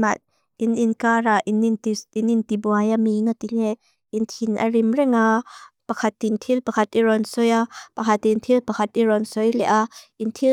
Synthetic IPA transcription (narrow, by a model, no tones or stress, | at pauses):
mat̪̚ | ininkaɾaʔinntiinint̪ibuajamiŋat̪ilɛ | int̪ʰinʔa̰ɾimrɛŋapɐkʰɐt̪ːint̪ʰilpɐkʰɐt̪̚iɾɔnsɔjapɐkʰɐt̪ːint̪ʰilpɐkʰɐt̪̚iɾɔnsɔjlɛʔaʔint̪ʰi